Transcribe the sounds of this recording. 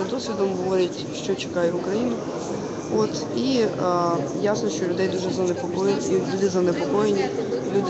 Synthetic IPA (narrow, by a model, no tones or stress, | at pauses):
d̪ɔsʲʋʲid̪ɔmɦɔʋɔɾʲɐtʲʃt͡ʃɔt͡ʃɪ̥kɑjɛʊkɾɐjinʊ | ot̪ | i | jasnɔʃt͡ʃɔlʲʊd̪ɛjd̪uʒɛzɐnepɔkɔjʲlʲud̪ɪzɐnepɔkɔjenʲilʲud̪